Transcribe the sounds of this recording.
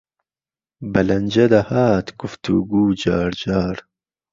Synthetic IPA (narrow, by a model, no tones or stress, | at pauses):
bɐlɐnd͡ʒɐd̪ɐhaːt̪ɡ̥ʊft̪ṵɡuːd͡ʑɑːɾd͡ʒɑːɾ